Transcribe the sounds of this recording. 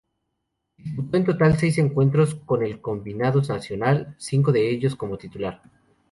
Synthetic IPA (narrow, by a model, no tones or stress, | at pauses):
iput̪o̞ent̪o̞t̪alse̞jse̞ŋkwe̞nt̪ɾo̞sko̞ne̞lko̞mbinaðosnasjo̞nalsiŋk̬o̞ðe̞eʝo̞sko̞mo̞t̪it̪ulaɾ